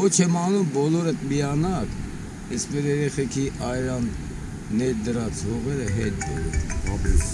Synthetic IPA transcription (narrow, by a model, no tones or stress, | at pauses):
ɔt͡ʃʰɛmɑnumbɔlɔɾət̪miɑnɑk | ɛsmɛɾɛɾɛχɛkʰiʔɑjɾɑnː | ɛɾd̪əɾɑt͡svɔʁɛɾəɦɛt̪̚bɛ̰ɾṵm